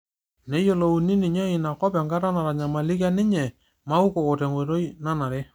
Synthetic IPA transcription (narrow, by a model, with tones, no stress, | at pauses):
nɛ˦jo˦lo˨u˨ni˦nɪ˨ɲɛ˦ɪ˨na˨kɔ˦pa˨ŋɡa˦ɾa˦na˨ɾa˨ɲa˨ma˨lɪ˦k̬a˦nɪ˦ɲɛ˨ | ma˦u˦ko˨kɔ˨tɛ˨ŋwɔ˨ɾo˦jna˦na˨ɾɛ˦